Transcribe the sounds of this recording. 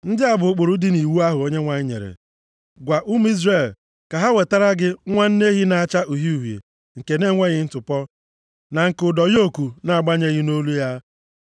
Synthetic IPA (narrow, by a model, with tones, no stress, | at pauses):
n̩˦dɪ˦a˦bʊ˨˦k͡pʊ˨ɾʊ˦dɪ˦ni˨wu˦a˦ɦʊ˨o˦ɲe˦ŋʷa˨ɲ˦ɲḛ˨ɾḛ˨ | ɡʷa˨ʔu˦m˦i˦zre˨l | ka˨ɦa˦we˨ta˦ɾa˦ɡɪ˦ŋʷa˦n̩˦ne˦ɦi˦na˨a˦t͡ʃa˦ʔu˨ɦi˦u˨ɦjḛ˨ | ŋ̩˨ke˨ne˦ŋʷe˦ɣɪ˦n̩˦tʊ˨pɔ˦ | na˨ŋ̩˨kʊ˨dɔ˨ɣo˦ku˨na˨a˨ɡ͡ba˦ɲe˦ɣɪ˦no˦lu˦ja˦